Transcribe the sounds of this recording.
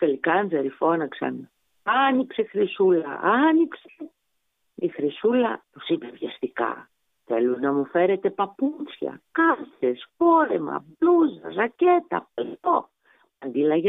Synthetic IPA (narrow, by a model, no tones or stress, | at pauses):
t̪elikɐnzeɾifo̞nɐksɐ̰n | ɐniksexɾisulɐ̰ɐnikse | ixɾisulɐt̪osipevʝɐst̪ikɐ̰ | θelunɐmufe̞ɾe̞t̪e̞pɐput͡sçɐ̰kɐθe̞sfo̞ɾe̞mɐ̰bluzɐ̰zɐce̞t̪ɐ̰plt̪o | ɐnd̪ilɐʝe